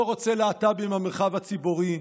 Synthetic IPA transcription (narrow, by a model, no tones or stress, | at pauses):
oʁot͡se̞leat̪abimameʁχavhat͡sibuʁi